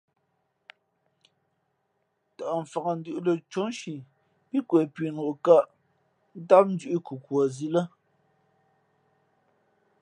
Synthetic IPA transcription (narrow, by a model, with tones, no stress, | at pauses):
ta˨ʔm̩˨fa˨ɣa˨n̩˦dʉ˦˨ʔlə˨t͡ʃo˨˦ŋ˦ʃi˨ | pi˦kwɛ˨pɥi˨nu˨ʔka˦˨ʔ | n̩˦ta˦p̚n̩˦d͡ʒʉ˦ʔi˦ku˨kwɔ˨zi˦lə˦